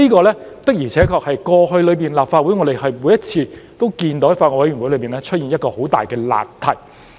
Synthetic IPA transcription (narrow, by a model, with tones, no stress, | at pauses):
niː˥kɔː˧lɛː˥t̪ɐ˥k̚jyː˨˩t͡sʰɛː˨˥kʰɔː˧k̚hɐ˨jkɔː˧hɵ˧ɥlɵ˨˧piː˨˩nlaː˨p̚faː˧t̚wu˨˥ŋɔː˨˧ɾe˨jɦɐ˨jmu˨˥jɐ˥t̚t͡sʰiː˧t̪o˥wkiː˧nt̪o˨˥faː˧t̚ŋɔː˧˩wjyː˨˩nwu˨˥jlɵ˨˧ɥpiː˨nɛː˥t͡ʃʰɵ˥t̚jiː˨njɐ˥t̚kɔː˧ho˨˥wt̪a̰ː˨jkɛː˧la̰ː˨p̚t̪ʰɐ˨˩j